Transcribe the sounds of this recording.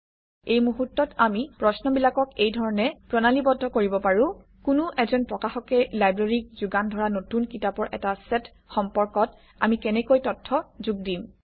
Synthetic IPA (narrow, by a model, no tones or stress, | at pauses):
ejmuɦutːɔtamipɹɔsnɔbilakɔkejdʱɔɹɔnɛpɹɔnalibɔdʱːɔkoɹibɔpaɹʊ̃ | kʊnʊʔɛzɔnpɹɔkaxɔkɛlajbɹaɹik̚zuɡandʱɔɹanotunkitapɔɹʔɛ̰tasɛt | xɔmpɔɹkɔt | a̰mikɛnɛkojtɔtʰːɔzuɡdim